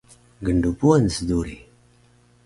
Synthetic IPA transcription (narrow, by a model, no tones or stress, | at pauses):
ɡəɳɖupuwansd̪uɾi